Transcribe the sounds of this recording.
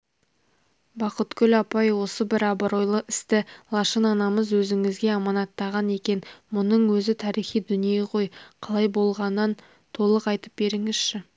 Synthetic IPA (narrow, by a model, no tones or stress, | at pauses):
bɑqət̪kʲʰʏlɑpɑjwo̞səbɪɾɑbəɾo̞jlˠəɪst̪ɪlˠɑʃənɑnɑməzwɵzɪŋɪzɡʲe̞ɑmɑnɑt̪ːɑʁɑne̞kʲe̞nmʊnəɴwɵzɪt̪ʰɑɾijχijd̪ʏnijeqʰo̞jqʰɑlˠɑjbo̞lˠʁɑnːɑn | t̪ʰo̞lˠəqɑjt̪əp̚be̞ɾɪŋɪz̥ʃɪ